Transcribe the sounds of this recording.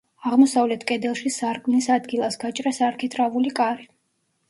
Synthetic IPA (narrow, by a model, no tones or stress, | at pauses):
aʁmɔsavlɛt̪ʰkʼɛd̪ɛlˠʃisaɾkʼmnisad̪ɡilˠasɡat͡ʃʼɾasaɾkʰit̪ʰɾavulikʼaɾi